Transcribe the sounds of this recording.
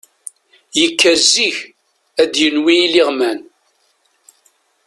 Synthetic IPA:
jəkːæzːiç | æd̪jənwiliʁmæn

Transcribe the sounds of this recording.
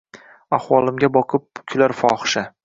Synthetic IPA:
ahwɒlˠɪmɡʲabɒqʰɨp̚kʲʰʊlaɾfɒχʃa

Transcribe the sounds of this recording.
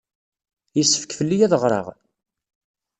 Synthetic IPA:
jisːə̥fkfəlːijæðʁɾˤɑ̰ʁ

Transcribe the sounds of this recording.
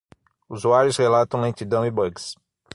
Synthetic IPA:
uzuaɾjʊshelat̪ɐ̃w̃lẽt͡ʃid̪ɐ̃w̃ibɐɡs

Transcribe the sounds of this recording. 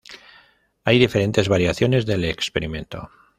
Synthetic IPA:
ajðife̞ɾe̞nt̪e̞zβaɾjaθjo̞ne̞zðe̞lekspe̞ɾimẽ̞nt̪o̞̰

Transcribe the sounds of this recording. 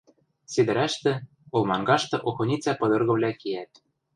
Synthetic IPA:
sed̪ɘ̆ɾæʃt̪ɘ̆ | ŏlˠmɑŋɡɑʃt̪ɤ̆ʔoxŏnʲit͡sʲæpɤ̆d̪ɤ̆rɣɤ̆βlʲækeæt̪̚

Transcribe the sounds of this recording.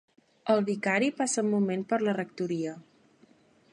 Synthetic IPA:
əlˠβikaɾipasəmumenpəɾlərək̚t̪uɾiə

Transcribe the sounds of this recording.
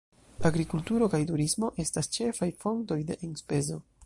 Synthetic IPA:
aɡɾikultuɾo̞kajtuɾismo̞ʔe̞stast͡ʃe̞fajfo̞ŋto̞jde̞̰ʔenspe̞zo̞

